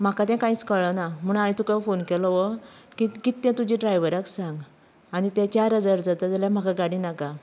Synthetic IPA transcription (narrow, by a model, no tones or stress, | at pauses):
m̤akat̪̬ɛ̃kait͡skəɭənam̤əɳ̃anĩt̪ukafonkɛlɔʋəkikit̪ːɛ̃t̪ud͡ʑiɖɾajʋəɾaksãŋɡ | añit̪ɛ̃t͡ɕaɾɦəd͡zaɾd͡zat̪ət̪aljãm̤akaɡaɽĩnaka